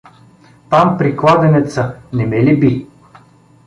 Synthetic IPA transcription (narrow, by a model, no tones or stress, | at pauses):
t̪ampɾiklˠad̪ɛnɛt̪sənɛmɛlibi